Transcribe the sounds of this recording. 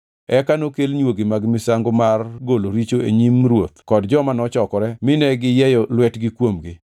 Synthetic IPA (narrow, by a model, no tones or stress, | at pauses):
ɛkanokelɲwoɡɪmaɡmɪsaŋɡomarɡoloɾit͡ʃoḛɲimɾwot̪kɔdd͡ʒɔmanɔt͡ʃɔkɔɾɛmɪnɛɡɪjɛjɔlwɛtɡɪkwomɡɪ